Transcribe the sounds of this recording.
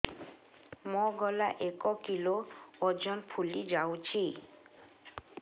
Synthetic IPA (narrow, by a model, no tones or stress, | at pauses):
mɔɡɔlaʔekɔkiloɔd͡ʑɔnpʰulid͡ʑawt͡ɕʰi